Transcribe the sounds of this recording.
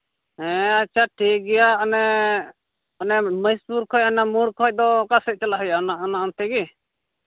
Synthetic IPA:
ɦɛ̃at͡ʃʰaʈʰikɡɛjaʔɔnɛ | ɔnɛməjspuɾkʰɔj̚ɔnamuɾkʰɔc̚ˀd̪ɔkasɛc̚t͡ʃalaɦɔjanaɔnant̪ɛɡi

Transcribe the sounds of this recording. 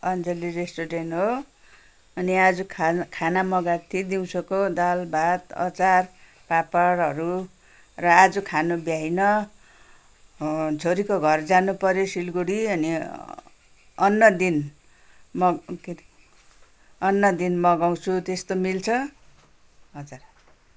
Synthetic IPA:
ʌnd͡zeliɾesʈoɾenʈɦo | ʌniad͡zukʰkʰanamʌɡat̪ʰid̪iw̃t͡sʰʌkod̪albʱat̪ʌ̰t͡sar | papaɽɦʌɾu | rʌad͡zukʰanobjaɦinʌ | d͡zʱoɾikoɡʱʌrd͡zanupʌɾjosilɡuɽiʌni | ʌnːʌd̪in | mʌk | ʌnːʌd̪inmʌɡaw̃t͡sʰut̪est̪omilt͡sʰʌ | ɦʌd͡zuɾ

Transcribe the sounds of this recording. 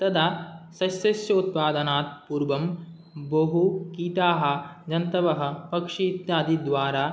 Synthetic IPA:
t̪ɐd̪ʱaːsɐsjɐsjɐut̪̚paːd̪ɐnaːt̪̚puːɾʋɐm | bɐɦukiːt̪aːɦɐ̆d͡ʒɐnt̪ɐʋɐɦɐ̆pɐkʂiːt̪jaːd̪id̪ʋaːɾaː

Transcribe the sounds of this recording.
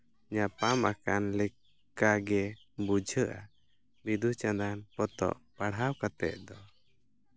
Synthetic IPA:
ɲapamaka̰nlɛ | kaɡɛ | bud͡ʒʱəʔa̰ | bid̪ut͡ʃãd̪anpɔt̪ɔ̰ʔpaɽawkat̪ɛʔ̪̚d̪ɔ

